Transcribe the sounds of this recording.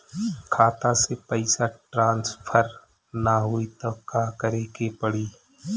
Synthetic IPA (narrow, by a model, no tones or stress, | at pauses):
kʰaːt̪ãsepəɪsaʈɾãːnspʰəɾ | naɦuit̪okaːkəɾeːkepəɽiː